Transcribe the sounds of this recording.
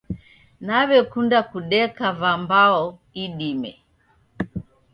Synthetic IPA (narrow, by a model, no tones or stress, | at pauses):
naβɛkundakuɗɛkavambaɔiɗimɛ̰